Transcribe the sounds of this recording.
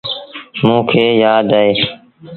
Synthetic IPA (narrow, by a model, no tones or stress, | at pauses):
mũːkʰeːjaːd̪aːeː